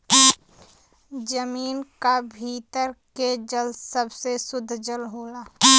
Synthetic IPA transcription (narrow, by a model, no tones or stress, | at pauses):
d͡ʒəmiːnkabʱiːt̪əɾked͡ʒəlsəbsesʊd̪ʱːd͡ʒəlɦoːlaː